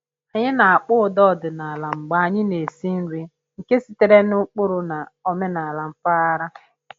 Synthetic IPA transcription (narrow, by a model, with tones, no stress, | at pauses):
a˨ɲɪ˦na˨a˨k͡pʊ˦ʊ˨dɔ˦˨dʊ˨na˨la˨ŋ͡m̩˨ɡ͡ba˨a˨ɲɪ˦ne˨si˦n̩˦ɾi˦ | ŋ̩˨ke˦si˦te˨ɾe˦nʊ˦k͡pʊ˦ɾʊ˨na˨ɔ˦me˦na˨a˨la˨m̩˨fa˦a˦ɾa˦